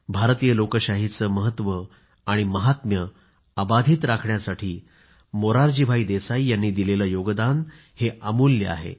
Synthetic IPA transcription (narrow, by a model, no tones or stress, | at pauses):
bʱaɾt̪ijəlokəɕaɦit͡səməɦət̪ːʋə | aɽ̃iməɦat̪mjə | abad̪ʱiːt̪ɾakʰɳjasaʈʰiː | moɾaɾd͡ʑiːbʱaiːd̪esaijanːiːd̪ilelajoɡd̪an | heʔamuːljə̰a̰ɦḛ